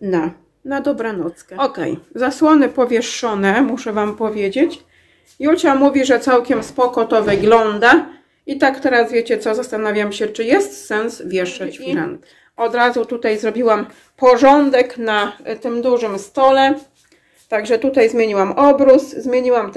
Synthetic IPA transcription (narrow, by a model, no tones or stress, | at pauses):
na | nad̪ɔbɾɛnɔt̪skɛɔkɛ̰jzaswɔnɘpɔvʲjɛʂːɔnɛmuʂɛvampɔvʲjed͡ʑet͡ɕ | jult͡ɕamuvʲiʐɛt̪sawkʲɛmspɔkɔt̪ɔvɘɡlɔnd̪a | it̪akt̪ɛɾazvʲjet͡ɕɛt̪sɔzast̪anavʲjamɕɛt͡ʂɘjɛst̪sɛnsvʲjɛʂat͡ɕuɾɛ̰n | ɔd̪ɾazut̪ut̪ajzɾɔbʲiwam | pɔʐɔnd̪ɛknat̪ɘmd̪uʐɘmst̪ɔlɛ | t̪aɡʐɛt̪ut̪ajzmʲjeɲiwamɔbɾuszmʲjeɲiwam